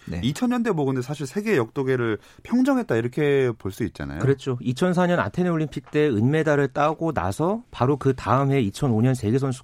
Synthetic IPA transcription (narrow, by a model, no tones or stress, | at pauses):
ne̞̰it͡ɕʰʌnɲʌndeboɡɯndes̬ʰaɕʰiɭsʰe̞ɡejʌk̚t͈oɡe̞ɾɯɭ | pʰjʌŋd͡ʑʌŋɦe̞t̚t͈aiɾʌkʰe̞poɭs͈uit̚t͡ɕ͈a̰na̰jokɯɾet͡ɕ͈ʰoit͡ɕʰʌns̬ʰaɲʌna̰tʰe̞neoɭːimpʰik̚t͈e̞ɯnme̞daɾɯɭt͈aɡona̰sʰʌpaɾokɯtaɯmɦe̞it͡ɕʰʌnoɲʌnsʰe̞ɡes̬ʰʌnsʰu̥